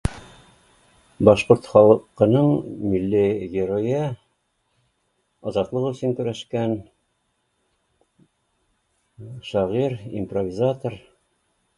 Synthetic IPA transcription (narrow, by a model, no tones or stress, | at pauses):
bɒʃqoɾt̪χɒlˠɤqɤ̆nɤɴmilːiɡʲɪɾojɤ | ɒzɑt̪lˠɤqɵ̆sɘŋkʉɾæʃkæn | ʃɑʁiɾḭmprovʲizat̪or